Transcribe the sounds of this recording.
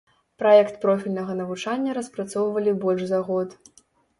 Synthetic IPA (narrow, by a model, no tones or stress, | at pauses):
pɾajɛkt̪pɾɔfʲilʲnɐɣɐnɐvut͡ʂanʲːɐɾɐspɾat̪sɔwvɐlʲibɔlʲʐzɐɣɔt̪